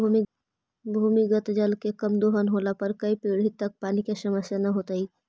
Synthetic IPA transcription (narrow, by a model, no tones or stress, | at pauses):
bʱuːmiɡət̪d͡ʒəlkekɐmd̪oːɦənɦoːlapɐɾkɐipiːɽ̤it̪ɐk̚paːnikesɐməsjanɐɦoːt̪aiː